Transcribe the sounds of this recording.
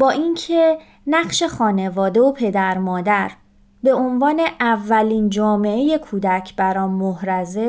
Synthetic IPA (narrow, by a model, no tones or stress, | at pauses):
bɒːʔincʰe | næɢʃe̞xɒːne̞vɒːd̪e̞opʰe̞d̪æɾmɒːd̪æɾ | be̞onvɒːne̞ʔævːæliːnd͡ʒɒːme̞eje̞kʰuːd̪æcʰbæɾɒːnmohɾæze